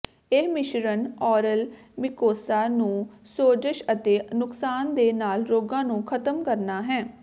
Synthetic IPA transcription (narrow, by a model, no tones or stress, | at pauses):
eɦmɪʃɾənɔːɾəl | mɪkoːsaːnũːsoːd͡ʒəʃət̪eːnʊksaːnd̪eːnaːlɾoːɡãːnũːkʰət̪əmkəɾnaːɦɛ̃ː